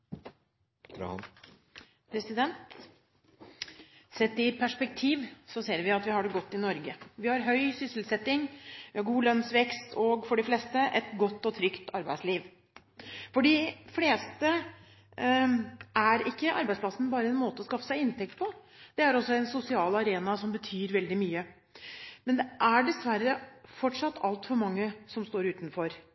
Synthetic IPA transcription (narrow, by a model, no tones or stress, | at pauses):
pʰɾɛsɪd̪ɛnt̪ | sɛt̪ːɪpʰæʂpɛk̚t̪ʰiːʋsɔseːɾʋɪɑt̪ʋɪhɑɖɛɡɔt̪ːɪnɔɾɡəʋɪhɑɾɦœʏsʏslsɛt̪ːɪŋʋɪhɑɾɡuːlœnsʋɛkst̪ʰɔɡfɔɖɪfleːst̪əʔɛt̪ɡɔt̪ːɔt̪ʰɾʏkt̪ɑɾbæɪsliːʋ | fɔɖifleːst̪ə | ʔæɾɪkːəʔɑ̰ɾbæɪspʰlɑsn̩bɑːɾəɛnmoːt̪əɔskɑfə̥sæɪɪnt̪ʰɛk̚t̪̚pʰɔ | d̪̥ɛæɾɔsːɔɛnsʊsɪɑːlɑɾeːnɑsɔmbət̪ʰyːɾʋɛld̪ɪmyːə | mɛnd̪ɛʔæɖɛsʋæɾːəfɔʈʂɑt̪ːɑlt̪fɔɾmɑŋːəsɔmst̪oːɾʉːt̪n̩fɔɾ